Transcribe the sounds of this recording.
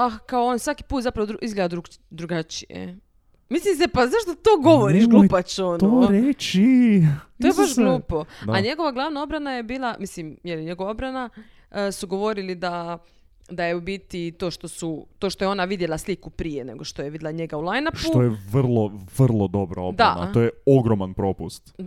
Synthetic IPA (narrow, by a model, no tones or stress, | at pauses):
akaoonisʋakiput̪zapɾaʋod̪ɾuʔizɡled̪ad̪ɾu | d̪ɾuɡat͡ʃijḛ | mislimsepaznaːʃt̪ot̪oːɡoʋoɾiʃɡlupat͡ɕonooɾet͡ʃit̪ojebaʃɡlˠuːpo̞d̪aɲe̞ɡo̞ʋaɡlˠaʋnao̞bɾanaje̞biːlˠamislimjeliɲe̞ɡo̞ʋao̞bɾana | suɡo̞ʋo̞ɾilid̪a | d̪ajeubit̪it̪o̞ːʃt̪o̞sut̪o̞ːʃt̪o̞jeo̞naʋid̪je̞lˠaslikupɾije̞ne̞̰ɡoʃt̪o̞jeʋid̪elaɲe̞ɡaulˠajnaptuojeʋr̩lˠoʋr̩lˠod̪o̞bɾa̰odb̪a̰na̰ojeoɡɾomanpɾo̞pust̪